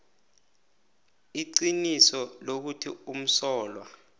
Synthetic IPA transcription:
iǀinisɔlok̬utʰḭum̩sɔːlwa

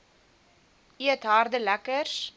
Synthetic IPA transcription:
iət̪ɦɑrd̪əlækərs

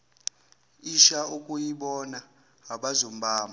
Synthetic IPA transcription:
iʃaukʼujiɓɔna | ɦaɓazom̩bʱaːma

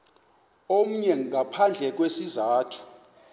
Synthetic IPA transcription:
om̩ɲɛŋʱapʰand͡ɮʱɛk̬wesizaːtʰu̥

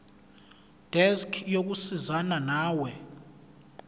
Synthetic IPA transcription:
d̥ɛskʰjok̬usizananaːwɛ

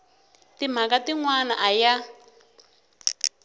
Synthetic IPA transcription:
tim̤akatiŋwana̰ʔaja

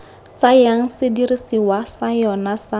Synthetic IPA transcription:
t͡sʼajaŋ̩sɪdirisiwasajɔnasa

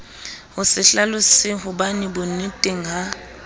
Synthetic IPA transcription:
hʊsɪɬalʊsɪɦʊbanɪbʊnitʼɪŋa

